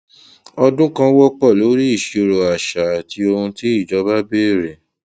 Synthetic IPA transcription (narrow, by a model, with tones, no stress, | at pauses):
ɔ˧dũ˦kã˦wɔ˦k͡pɔ˦˨lo˨˦ɾi˦i˦˨ʃo˧ɾo˨a˨ʃa˨a˨ti˧o˧hũ˧ti˦i˦˨d͡ʒɔ˨˦ba˦be˦˨ɾe˨